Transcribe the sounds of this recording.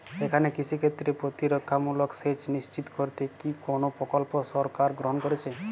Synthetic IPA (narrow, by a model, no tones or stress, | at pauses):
ekʰanekit͡ʃʰikʰet̪ɾepɾot̪iɾɔkʰːamulɔkset͡ʃnist͡ʃit̪kɔɾt̪ekikonopɾɔkɔlposɔɾkaɾɡɾɔɦɔnkɔɾet͡ʃʰe